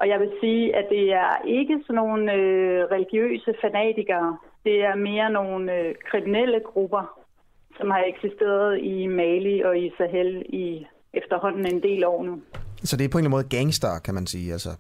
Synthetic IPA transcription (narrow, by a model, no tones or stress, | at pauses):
ʔɒ̽jɑ̈ɪʋe̝siːʔæd̥e̝æɐe̝ɡ̥əsɒno̝ːn̩øʁɛliɡ̥jø̰ːsəfænɛ̰ːd̥ʰiɡ̥ɐːd̥e̝æɐme̝ːɐno̝ːnøkʰʁiminel̰əɡ̥ʁub̥ɐ | sɒ̽mhɑ̈eɡ̥sisd̥e̝̰ːɐð̞ˠimɛliʔɒ̽isæɦeli | efd̥ɐɦɒ̽n̰n̩e̝nd̥e̝̰ːlɒ̰ːnusɒ̽d̥eɐpʰɒ̽e̝ŋlænmoːð̩ˠɡ̥æŋsd̥ɐkʰæmænsiːælsə